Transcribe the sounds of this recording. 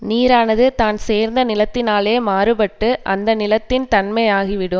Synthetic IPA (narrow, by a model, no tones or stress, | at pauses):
niːɾaːnɐðɯt̪aːnseːɾnd̪ɐnɪlɐt̪ːɪnaːleːmaːrɯpɐʈːɯʔɐ̰nd̪ɐnɪlɐt̪ːɪnt̪ɐnmɐjaːɣɪʋɪɽɯm